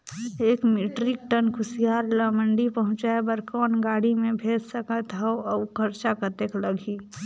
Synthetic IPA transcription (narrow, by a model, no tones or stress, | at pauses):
eːkmiʈɾik̚ʈənkʰʊsijaːɾlaːmə̃ɳɖipəɦʊ̃t͡ʃaebəɾkɔːnɡaːɽimẽbʱeːd͡ʒsəkət̪ɦəoɔːkʰəɾt͡ʃakət̪ekləɡʱi